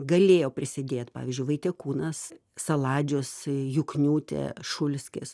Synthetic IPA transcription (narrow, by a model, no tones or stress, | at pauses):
ɡɐlʲeːjoːpʲɾʲɪsʲɪd̪ʲeːt̪pɑ̰ːʋʲiːzʲd͡ʒʲʊɪʋɐɪt̪ʲɛkuːnɐs | sɐlˠɑːd͡ʒʲʊsjʊknʲuːt̪ʲɛ̰ʃʊlʲsʲkʲɪ̰s